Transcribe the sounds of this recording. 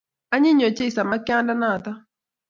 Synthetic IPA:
a˦ɲɪ˦ɲo˨t͡ʃe˦i˨sa˨ma˦kɪ˦a˦nda˦na˦˨ta˦

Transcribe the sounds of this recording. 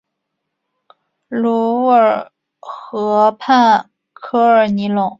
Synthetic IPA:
lu˧˥ə˞˨˩ | xɤ˧˥pʰa˥˩n | kʰɤ˥ə˞˨˩ni˧˥lʊ˨˩˦ŋ

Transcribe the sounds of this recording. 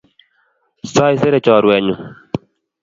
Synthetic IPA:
sa˦i˦se˦ɾɛ˦˨t͡ʃɔː˨ɾwɛ˨ɲu˨

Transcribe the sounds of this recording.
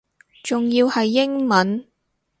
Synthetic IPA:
t͡sʊ˨ŋjiː˧whɐ˨jːɪ˥ŋmɐ˨˥n

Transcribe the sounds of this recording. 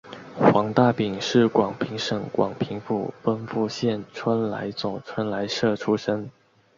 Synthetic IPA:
xwɑ˧˥ŋt̪a˥˩pi˨˩ŋʂɻ̩˥˩kwɑ˨˩ŋpʰi˧˥ŋʂɤ˨˩ŋkwɑ̰˨˩ŋpʰi˧˥ŋfṵ˨˩fə˥nfu˥˧ɕjɛ˥˩nʈ͡ʂʰwə˥nla̰˧˥ɪt͡so˨˩ʈ͡ʂʰwə˥nla˧˥ɪʂɤ˥˩ʈ͡ʂʰu˥ʂə˥ŋ

